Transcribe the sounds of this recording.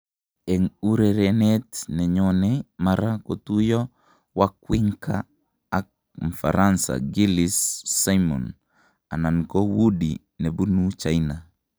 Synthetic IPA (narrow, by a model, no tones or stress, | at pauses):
ɛŋuɾeɾɛnɛtnɛɲɔnɛmaɾakot̪ujɔ | wakwɪŋkʰaː | k | mfa̰ɾansa̰ɡilisːajmɔ̰n | anankowudi | nebunut͡ʃaina